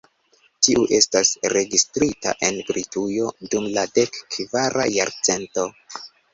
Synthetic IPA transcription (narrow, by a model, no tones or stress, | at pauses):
tiʔuʔe̞stasɾe̞ɡistɾita̰ʔe̞nbɾitujo̞dumlade̞kːvaɾʔa̰ja̰ɾt͡se̞nto̞